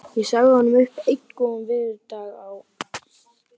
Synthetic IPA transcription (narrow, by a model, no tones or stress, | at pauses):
jɛɣsaɣðɪhɔnːʏmʏhpejt̪kɔɣmvɪðʏɾt̪aːɣaw